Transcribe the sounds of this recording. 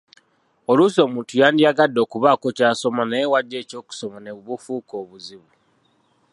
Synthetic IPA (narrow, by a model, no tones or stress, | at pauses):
oluso̞ːmuːntujaːndijaɡadːo̞kuβaːkocaːso̞maneewaɟːe̞ːco̞ːku̥somaneβuβufuːkoːβuziβu